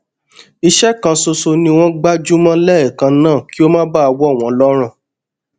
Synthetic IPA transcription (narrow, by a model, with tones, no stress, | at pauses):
i˧ʃɛ˦kã˧so˧so˧nĩ˧w̃ɔ̃˦ɡ͡ba˦d͡ʒu˦mã˦lɛ˦ɛ˨kã˧nãː˦˨ki˦o˦mã˦ba˦a˧wɔ˦˨w̃ɔ̃˨lɔ˦ɾ̃ã˦˨